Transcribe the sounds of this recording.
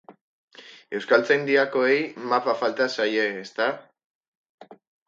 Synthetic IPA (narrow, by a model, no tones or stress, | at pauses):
e̞wskalt͡sajnd̪iako̞ejmapafalt̪asaje̞ːst̪a